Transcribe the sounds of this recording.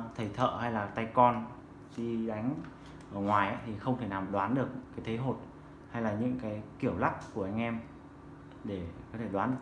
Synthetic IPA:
t̪ʰə˨˩jt̪ʰə̰ː˧˨ha˧jlaː˨˩t̪a˧jkɔ˧n | ɗi˧ɗa˨˦jŋ̟ | ʔəː˧˩ŋwaː˨˩jʔa̰˧˦˥t̪ʰi˨˩xə˧wŋ͡mt̪ʰe˧˩naː˨˩mɗwaː˨˦nɗɨ˨˩ək̚ɲɨ̰˧˥kaː˨˦jt̪ʰə˨˦ɦo˨˩t̚ | ha˧jlaː˨˩ɲɨ̰˧˥ŋkaː˨˦jki˧˩əwla˦˥p̚ku˧˩əʔa˧jŋ̟ʔɛ˧m | ɗe˧˩kɔː˨˦t̪ʰe˧˩ɗwaː˨˦n

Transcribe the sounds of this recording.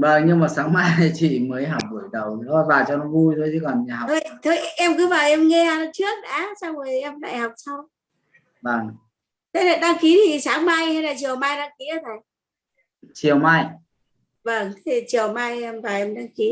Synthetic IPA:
vəː˨˩ŋɲɨ˧ŋmaː˨˩saː˨˦ŋma˧jt̪ʰi˨˩t͡ɕḭ˧˨məː˨˦jɦa˨˩wk͡p̚ɓu˧˩ə˨jɗə˨˩wɗɔ˨˦vaː˨˩t͡ɕɔ˧nɔ˨˦vu˧jt̪ʰo˧jʰɨ˨˦kɔ˨˩nɲ˨˩ha˨˩t̪ʰoː˧jt̪ʰə˧jʔɛ˧mkɨ˨˦vaː˨˩wʔɛ˧mŋɛ˧aː˧˩nɔ˨˦t͡ɕɨ˦˥ək̚na̰ː˧˦sa˧wzo˨˩˨ʔɛ˧mla̰˧˨jha˨˩wk͡p̚sa˧w | və˧˩ŋ | t̪ʰe˨˦lḛ˧˨ɗaː˧ŋki˨˦t̪ʰi˨˩saː˨˦ŋma˧jha˧jnaː˨˩t͡ɕi˨˩əwmaː˧jɗaː˧ŋki˨˦a˧t̪ʰa˨˩j | t͡ɕi˨˩əwma˧j | və˧˩ŋt̪ʰe˨˩t͡ɕi˨˩əwma˧jɛ˧mvaː˨˩wʔɛ˧mɗaː˧ŋki˨˦

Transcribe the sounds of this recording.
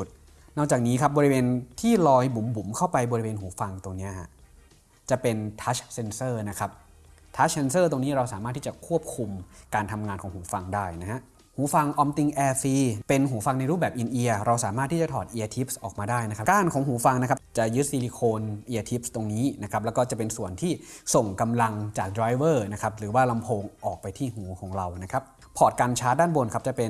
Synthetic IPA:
u˨˩t̪̚ | nɔ˥˩k̚t͡ɕaː˨˩k̚niː˦˥kʰa˦˥p̚bɔː˧ɾi˧weː˧nt̪ʰiː˥˩lɔː˧jbu˩˦mbu˩˦mkʰa˥˩wpa˧jbɔː˧ɾi˧weː˧nɦuː˩˦fa˧ŋt̪o˧ŋni˦˥ɐʔa˨˩ | t͡ɕa˨˩pe˧nt̪ʰaː˦˥t͡ɕse˧nsɤː˥˩na˦˥kʰa˦˥p̚ | t̪ʰa˦˥se˧nsɤː˥˩t̪o˧ŋniː˦˥ɾa˧wsaː˨˩˦maː˥˩t̪ʰːiː˥˩t͡ɕa˨˩kʰu˥˩əp̚kʰu˧mkaː˧nt̪ʰa˧mŋaː˧nkʰɔː˩˦ŋhuː˩˦fa˧ŋdaː˥˩jna˦˥ɦa˦˥ʔ | huː˩˦fa˧ŋʔɔː˧mt̪i˧ŋʔɛː˧fiː˧pe˧nɦuː˩˦fa˧ŋna˧jɾuː˥˩p̚bɛː˨˩p̚ʔi˧nʔi˧ɐɾa˧wsaː˩˦maː˥˩t̪ʰːiː˥t͡ɕa˨˩t̪ʰɔː˨˩t̪ʔiː˧ʔa˧t̪ʰi˦˥p̚sʔɔː˨˩k̚maː˧daː˥˩jna˦˥kʰa˦˥kaː˧˩nkʰɔː˩˦ŋɦuː˩˦fa˧ŋna˦˥kʰa˦˥t͡ɕa˨˩jɯ˦˥t̪̚si˧liː˧kʰoː˧nʔiː˧ʔa˧t̪ʰi˦˥p̚st̪o˧ŋniː˦˥na˦˥kʰa˦˥p̚lɛ˦˥wkɔː˥˩t͡ɕa˨˩pe˧nsu˨˩ənt̪ʰiː˥˩so˨˩ŋka˧mla˧ŋt͡ɕaː˨˩k̚dɾaː˧jwɤː˥˩na˦˥kʰa˦˥p̚ɾɯː˩˦waː˥˩la˧mpʰoː˧ŋʔɔː˨˩k̚pa˧jt̪ʰiː˥˩ɦuː˩˦kʰɔː˩˦ŋɾa˧wna˦˥kʰa˦˥p̚ | pʰɔː˨˩t̪̚kaː˧nt͡ɕʰaː˦˥t̪̚daː˥˩nbo˧nkʰa˦˥p̚t͡ɕa˨˩pe˧n

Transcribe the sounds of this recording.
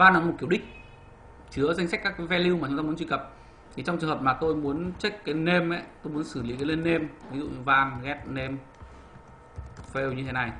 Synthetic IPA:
vaː˧nːɔ˨˦m˨˩t̚ki˦˩əwɗï˦˥k̟̚ | t͡ɕɨ˨˦əza˧jŋ̟sa˦˥k̟kːaː˦˥kːvɛ˧li˧wma˨˩t͡ɕʊ˨˦ŋ͡mt̪aː˧u˨˦ənt͡ɕwi˧˩kə˨˩p̚ | t̪ʰi˨˩t͡ɕɔ˧ŋ͡mt͡ɕɨ˨˩əŋɦə˨˩p̚maː˨˩t̪o˧jmu˨˦ənt͡ɕe˦˥k̚kaː˨˦jne˧mʔa̰˨˦t̪o˧jmu˨˦ənsɨ˧˩li˨˦kaː˨˦le˧nːe˧mvi˨˦zṵ˧˨ɲɨ˧vaː˧ŋɣɛ˦˥t̚ne˧m | fe˧wɲɨ˧e˨˦na˨˩j

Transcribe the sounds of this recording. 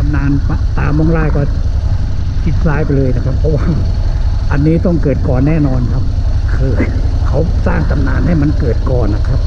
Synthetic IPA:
a˧mnaː˧npa˧t̪aː˨˧mo˧˥˩ŋɾaː˥˩jkɔː˥˩ | t͡ɕʰi˦˥t̪̚saː˦˥jpa˧jlɤː˧jna˦˥kʰa˦˥pʰːɔ˦˥waː˥˩ | ʔa˧nːiː˦˥t̪ɔ˥˩ŋkɤː˨˩t̪̚kɔː˨˩nːɛː˥˩nɔː˧nkʰa˦˥p̚ | kʰɯː˧ | kʰa˦˥wsaː˥˩ŋt̪a˧mnaː˧nha˥˩jma˧nkɤː˨˩t̪̚kɔː˨˩nːa˦˥kʰa˦˥p̚

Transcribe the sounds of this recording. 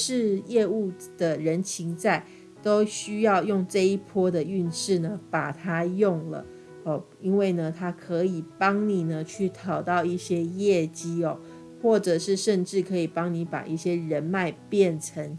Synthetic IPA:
ʂɻ̩˥˧jɛ˥˧u˥˩ | d̪̥ə˨˩ɻə˧˦˥nt͡ɕʰi˧˥ŋt͡sa˥˩ɪ | t̪o˥ʊɕy˥jɑ˥˧ʊjʊ˥˧ŋʈ͡ʂɤ˥˧i˥pʰwɔ˥d̪ə˨y˥˧nʂɻ̩˥˩nə˩pa˨˩t̪ʰa˥jʊ˥˩ŋlə̰˩ | ɔ˨˩ | i˦˥nwe˥˩ɪnə˩t̪ʰa˥kʰɤ˧˦i˨˩pɑ˥ŋni˨˩nə˨t͡ɕʰy˥˩t̪ʰɑ˨˩ʊt̪ɑ˥˧ʊi˥˩ɕjɛ˥jɛ˥˩t͡ɕi˥ɔ˨ | xwɔ˥˨˩ʈ͡ʂɤ˨˩ʂɻ̩˥˧ʂə˥˧nʈ͡ʂɻ̩˥˩kʰɤ˧˥i˨˩pɑ˥ŋni˨˧˥pa̰˨˩ʔi˥˩ɕjɛ˥ɻə˧˦nma˥˧˩ɪpjɛ˥˩nʈ͡ʂʰə˧˥ŋ

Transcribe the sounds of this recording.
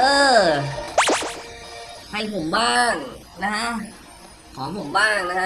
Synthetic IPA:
ʔɤː˧ | pʰa˧˩jpʰo˩˦mbaː˥˩ŋ | na˦˥kʰa˦˥ | kʰɔː˩˦pʰo˨˩˦mbaː˥˩ŋna˦˥kʰa˦˥

